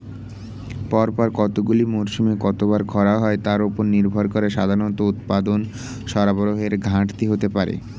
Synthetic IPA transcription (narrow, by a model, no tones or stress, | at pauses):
pɔɾpɔɾkɔt̪oɡulimoɾʃumekɔt̪obaɾkʰɔɾaɦɔet̪aɾupoɾniɾbʱoɾkoɾeʃad̪ʱaɾonɔt̪out̪̚pad̪on | ʃɔɾaboɾoɦeɾɡʱãʈt̪iɦot̪epaɾḛ